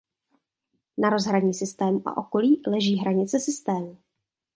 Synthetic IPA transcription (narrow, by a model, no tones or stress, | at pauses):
naɾo̞zɦɾaɲiːsɪst̪ɛːmuʔa̰ʔo̞ko̞liːlɛʒiːɦɾaɲɪt͡sɛsɪst̪ɛːmu